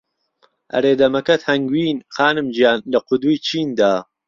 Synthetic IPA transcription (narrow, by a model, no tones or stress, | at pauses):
ʔɐ̰ɾeːd̪ɐmɐkɐt̪hɐŋɡwiːnxaːnɨmd͡ʒijaːnlɐqʰʊd̪ujt͡ʃʰiːnd̪aː